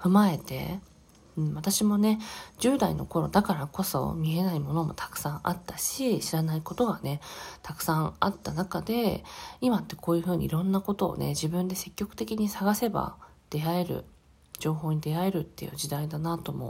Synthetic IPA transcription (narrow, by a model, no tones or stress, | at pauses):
ɸɯ̟mae̞t̪ẽ̞̰̟ | ɴβat̪aɕimo̞ne̞d͡ʑɨːd̪aḭno̞̰ko̞ɾo̞̰d̪akaɾako̞so̞̰mʲie̞naimo̞no̞mo̞̰t̪ʰḁkɯ̟̥sãŋʔa̰t̪ːaɕiɕiɾanaiko̞t̪o̞ɡane̞t̪akɯ̟̥sãŋat̪ːanakad̪e̞imat̪ːe̞̥kʰo̞ːjɯ̟ːɸɯ̟ːɲ̟ḭḭɾõ̞nːako̞t̪o̞̰ːne̞̰ʑibɯ̟̃nd̪e̞se̞kʲːo̞kɯ̥t̪e̞kʲiɲ̟isaɡase̞ba̰ | d̪̥e̞ae̞ɾɯ̟̰ | d͡ʑo̞ːɦo̞ːɲ̟id̪e̞ae̞ɾɯ̟t̪ːe̞jɯ̟̰ʑid̪aid̪anat̪o̞mo̞̰